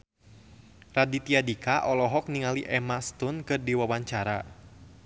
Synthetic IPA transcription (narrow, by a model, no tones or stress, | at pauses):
radit̪iadikaʔɔlɔɦɔk̚niŋaliʔɛmast̪ʊnkɨrdiwawaɲt͡ʃaɾa